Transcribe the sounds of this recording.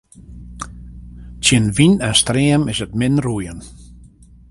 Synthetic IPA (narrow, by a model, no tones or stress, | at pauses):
tjənʋinɛnstreːəmɪsətmɪnrujən